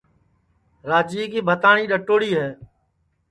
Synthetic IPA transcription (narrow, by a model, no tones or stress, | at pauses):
ɾaːd͡ʒiːkiːbʱət̪aːɳiːɗəʈoːɽiːɦɛː